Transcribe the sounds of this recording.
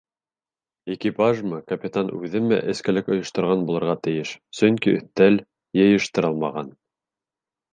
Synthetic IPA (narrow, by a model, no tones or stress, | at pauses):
ikipaʒmɤkɐpʲit̪anʉðɘmæ̰ʔɘ̆skæ̆lɘkŏjŏʃt̪ŏɾʁɑnbulˠɤ̆ɾʁɑt̪ɘ̆jɘʃsɵŋkiɵ̰̆θt̪ːæl | jɤ̆jɤ̆ʃt̪ɤ̆ɾɤlˠmɑʁɑn